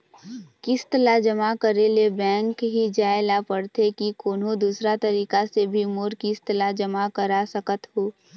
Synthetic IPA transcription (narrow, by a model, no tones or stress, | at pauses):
kɪst̪lad͡ʒəmakəɾelebɛ̃ːŋkɦid͡ʒaːelapəɽt̪ekikoːnõd̪uːsɾat̪ɐɾiːkasebʱimoːɾkist̪lad͡ʒəmakəɾasəkət̪ɦoː